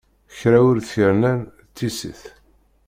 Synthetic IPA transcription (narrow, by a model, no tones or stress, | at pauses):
çɾæwʊɾθiɾnæn | t͡s̪ːisḭθ